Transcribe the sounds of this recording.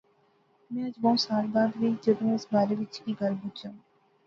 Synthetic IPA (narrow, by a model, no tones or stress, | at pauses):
mɛ̃ːɐd͡ʒbə̃saːɾbaːd̪ʋiːd͡ʒəd̪õːɪsbaːɾeːʋɪt͡ʃkiːɡʱəɾbʊd͡ʒjãː